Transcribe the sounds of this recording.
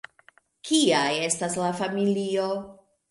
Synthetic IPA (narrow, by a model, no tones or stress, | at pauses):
kʰiaje̞staslafamilio